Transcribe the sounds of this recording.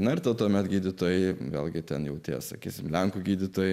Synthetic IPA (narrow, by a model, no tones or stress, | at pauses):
nɐɪrt̪ɐt̪uɔmʲɛt̪ɡʲiːd̪ʲɪt̪oːjɛɪʋʲḛːlʲˠɡʲɪt̪ʲɛnjɛʊt̪ʲḭɛsɐkʲiːsʲɪmlʲɛŋkʊɡʲiːd̪ʲɪt̪oːjɛ